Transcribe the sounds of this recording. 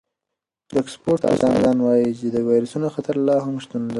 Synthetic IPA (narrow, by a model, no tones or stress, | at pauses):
d̪əɪkspoɾʈa̰zɑnɡ̪ɑnwɑjit͡ʃed̪əwɑjɾasunoxat̪aɾlɑɦamʃt̪und̪a